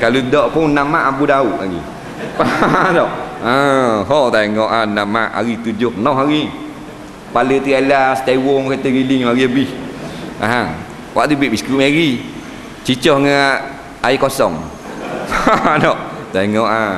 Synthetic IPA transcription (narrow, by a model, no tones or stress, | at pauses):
kaludɔʔpʊnːamaʔabudauʔa̰ɡḭ | padɔʔəɦɔt̪eeŋɔʔanama̰ʔa̰ɣit̪ud͡ʒʊhpənɔhɦaɾi | palət̪ialast̪awɔŋkat̪əɣiliŋaɣiəbihaɦaŋ | waʔt̪ubitʔ̚biskuʔmaɾi | t͡ʃit͡ʃɔhŋaʔ | aikɔsɔŋ | paadɔʔ | t̪eŋɔʔa